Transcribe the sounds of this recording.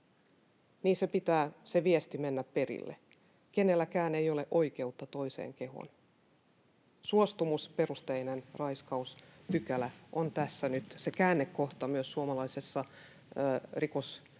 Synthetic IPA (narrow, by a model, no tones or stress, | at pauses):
niːnsepit̪æːseʋiest̪ime̞nːæppe̞rḭlːḛ | ke̞ne̞lːækæːnejole̞ʔo̞ik̟e̞ut̪ːɑt̪o̞ise̞̰ːŋke̞ɦo̰n | suost̪umuspe̞rust̪einenrɑjskɑuspykælæʔont̪æsːænyt̪se̞kæːnːekːoht̪ɑmyøsːuomɑlɑjse̞sːɑ | rikos